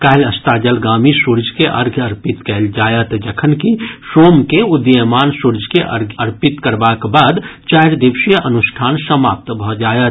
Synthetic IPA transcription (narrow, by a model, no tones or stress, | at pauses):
kaːɦləst̪aːd͡ʒəlɡaːmisuɾd͡ʒʱkeʔɐ̰ɾɡʱɐɾpɪt̪kɛld͡ʒaːjət̪d͡ʒəkʰənkisoːmkeʊd̪əmaːnsuɾd͡ʒʱkeʔɐ̰ɾɡʱəɾpɪt̪kəɾbakbaːd̪t͡ʃaːɾd̪ɪʋʃijəʔɐnʊʃʈʰaːnsəmaːp̚t̪bʱɔd͡ʒaːjə